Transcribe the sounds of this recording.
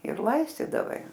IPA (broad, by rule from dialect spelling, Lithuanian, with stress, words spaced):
ɪr ˈlˠɐɪsʲtʲiːdɐʋɐɪ